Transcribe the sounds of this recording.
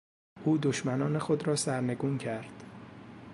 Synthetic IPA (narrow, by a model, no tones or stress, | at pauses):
ʔuːd̪oʃmænɒːne̞xo̞d̪ɾɒːsæɾne̞ɡuːncʰæɾd̪̥